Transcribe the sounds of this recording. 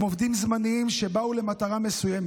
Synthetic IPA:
movd̪imzmaniimʃe̞baule̞mat̪aʁame̞sujeme

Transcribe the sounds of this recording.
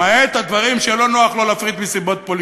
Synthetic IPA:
aeːt̪ad̪vaʁimʃelo̞no̞aχlolafʁit̪misibo̞t̪̚po̞l

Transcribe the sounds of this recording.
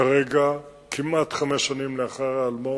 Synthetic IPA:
aʁeɡa | kʰimat̪χameʃanimleaχaʁaːlmo

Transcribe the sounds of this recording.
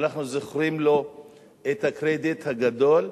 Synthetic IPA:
naχnuzoχʁimlo̞ | et̪hakʁed̪it̪haɡad̪o̞l

